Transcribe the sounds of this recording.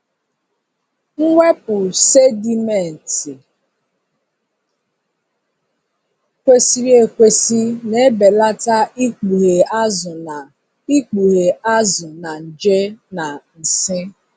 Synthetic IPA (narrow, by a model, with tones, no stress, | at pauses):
ŋ̩˦ŋʷe˦pʊ˨se˦di˨me˨n̩˨ti˨ | kʷe˨si˨ɾi˨e˨kʷe˨si˦ne˦be˨la˦ta˦i˦k͡pu˨ɣe˨a˦zʊ˨na˨ | i˦k͡pu˨ɾe˨a˦zʊ˨na˨n̩˨d͡ʒe˦na˨n̩˨sɪ˦